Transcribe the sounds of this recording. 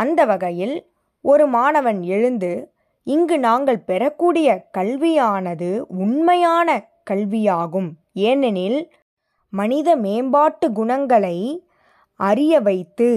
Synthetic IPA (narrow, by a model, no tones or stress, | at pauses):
ɐnd̪ɐʋɐɣɐjɪl | ɔɾɯmaːnɐʋɐnɛɻɯnd̪ɯ | ɪŋɡɯnaːŋɡɐɭpɛɾɐkːuːɽɪjɐkɐɭʋɪjaːnɐðɯʊɳmɐjaːnɐ | kɐɭʋɪjaːɣɯm | eːnɛnɪl | mɐnɪðɐmeːmbaːʈːɯɡʊɳɐŋɡɐɭɐɪ | ɐɾɪjɐʋɐɪt̪ːɯ